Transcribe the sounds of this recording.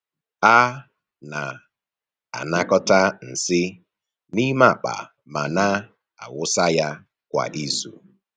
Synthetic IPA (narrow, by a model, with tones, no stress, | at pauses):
a˦ | na˨ | a̰˨na˦kɔ˦ta˦n̩˨sɪ˦ | ni˦ma˦˨k͡pa̰˨ | ma˨na˦ | a˨wʊ˦sa˦ja˦ | kʷa̰˨ʔi˦zṵ˨